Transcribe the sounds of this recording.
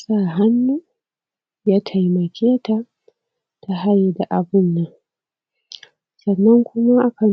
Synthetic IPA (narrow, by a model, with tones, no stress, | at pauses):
sa˦˨ɦa˦nːuː˦ | jaː˦tʰa˨jmɐ˨kʲeː˦ta˦˨ | ta˨ɦa˦je˨da˨ʔa˨bʊ˦˨nːa˨ | sɐ˨nːɐ˦ŋkʷʊ˦ma˦ʔa˦kɐ˨n